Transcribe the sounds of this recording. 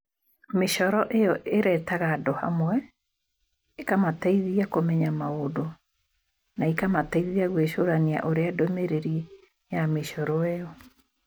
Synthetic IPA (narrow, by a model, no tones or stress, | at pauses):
meʃɔɾɔʔejɔʔeɾɛtaɣaːdɔha̰mwɛ | ekamataiðiakomɛɲamaodo | naikamataiðiaɣweɕoɾania̰ʔoɾeadomeɾeɾi | jameʃɔɾɔejɔ